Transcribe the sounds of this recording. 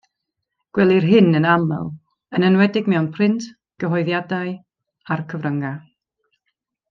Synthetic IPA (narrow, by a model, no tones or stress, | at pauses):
ɡ̥wɛlˠirɦɪnənamɛ̰lˠ | ənənwɛdɪɡmɛwnpʰrɪntʰ | ɡ̥əɦɔjðjadaɨ | arkʰəvrəŋa